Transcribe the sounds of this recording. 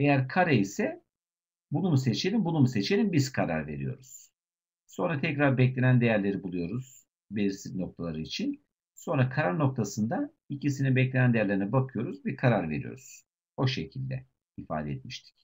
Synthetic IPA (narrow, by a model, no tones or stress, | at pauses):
e̞jæɾkʰaɾaisɛ | bunumuse̞t͡ʃʰe̞lʲimbunumuse̞t͡ʃʰe̞lʲimbiz̥kʰaɾa̰ɾve̞̰ɾḭjo̞̰ɾuz̥ | so̞nɾat̪ʰɛcɾaɾbɛclʲe̞nænd̪e̞jæɾlʲe̞ɾibulˠujo̞ɾuz̥ | belʲiɾsizno̞k̚t̪ʰalˠaɾɯit͡ʃʰin | so̞nɾakʰaɾaɾno̞k̚t̪ʰasɯnd̪a | icisinibɛclʲe̞nænd̪ejæɾlʲeɾinɛbakʰɯjo̞ɾuzbiɾkʰaɾaɾve̞̰ɾḭjo̞̰ɾuz̥ | o̞ʃe̞cʰilʲd̪ɛ | ifa̰ːd̪ɛɛt̪̚miʃt̪ʰi̥c